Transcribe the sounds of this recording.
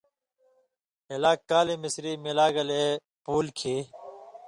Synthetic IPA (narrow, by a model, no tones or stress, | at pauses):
elaːkːaːlimisɾimilaːɡɐle | puːlkʰiː